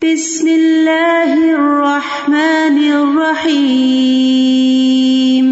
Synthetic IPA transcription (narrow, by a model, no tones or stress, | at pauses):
b̥ɪsmɪlːaːhrˤːɑħmaːnɪrˤːɑħiː | m